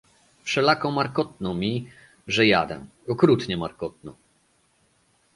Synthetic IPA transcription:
fʂɛlakɔmaɾkɔt̪̚nɔmʲi | ʐɛja̰d̪ɛ̰ | ɔkɾut̪ɲɛmaɾkɔt̪̚nɔ̰

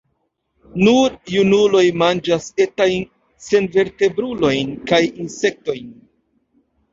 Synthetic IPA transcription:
nuɾjunulo̞jmand͡ʒase̞tajn | se̞nve̞ɾte̞bɾulo̞jnkajinse̞k̚to̞jn

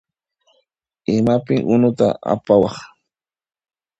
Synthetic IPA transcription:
ɪmapɪŋʔʊnʊt̪a̰a̰pawɑχ

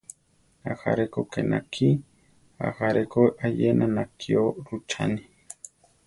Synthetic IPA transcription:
axaɾekokenʔakʰi | a̰haɾekoʔajenʔanakʰioɾut͡ʃʰa̰ni

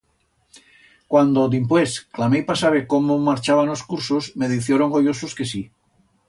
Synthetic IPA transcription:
kwand̪od̪impwesklamejpasaβekomomaɾt͡ʃaβ̞anoskuɾsosme̞ðiθjeɾoŋɡojososkesi

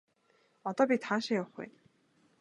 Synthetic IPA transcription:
ɔt̪ɔːpʲit̪ʰaːnʃɪ̆jawχṵ

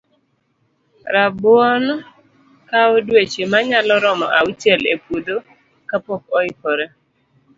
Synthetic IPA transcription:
ɾabʊɔn | kaodwet͡ʃemaɲalɔɾɔmɔʔaut͡ʃelepodo | kapɔk̚ɔɪkɔɾɛ

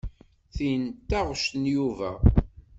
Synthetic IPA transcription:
θint̪ːæʁʃnjuvæ

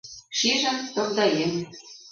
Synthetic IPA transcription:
ʃiʒɘ̆mt̪ŏrd̪ɑjem

